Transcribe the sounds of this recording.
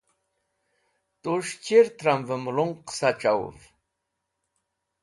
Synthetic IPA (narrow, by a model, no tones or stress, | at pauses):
t̪uʂt͡ɕiɾt̪ɾamvəmluŋqsaʈ͡ʂaw̰v